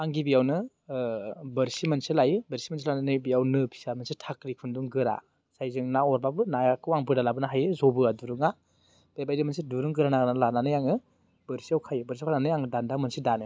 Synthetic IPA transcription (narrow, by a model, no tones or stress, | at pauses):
aŋɡibijawnɯ | bɐɾsimɐnsilajɯbɐɾsimans̬ilananɯbijawnɯpʰi̥samansitʰakɾikʰunduŋɡɯɾa̰ | sajzɯŋnaɔɾbabɯnajakɯwaŋbɯdalabɯnaɦajɯzobɯaduɾɯŋa | b̥ajbajdɯmansiduɾɯŋɡɯɾanaɡnalananɯjaŋɯ | bəɾsiawkʰajɯbəɾsiawkʰananɯjaŋdandamɐnsidanɯ